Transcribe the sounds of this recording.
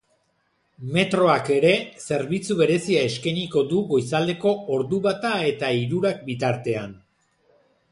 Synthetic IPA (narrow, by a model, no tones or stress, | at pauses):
me̞t̪ɾo̞ake̞ɾe̞se̞ɾβit͡suβe̞ɾe̞siaeskaniko̞d̪uɣo̞jsald̪e̞ko̞oɾðuβat̪ae̞t̪aiɾuɾak̚bit̪aɾt̪e̞an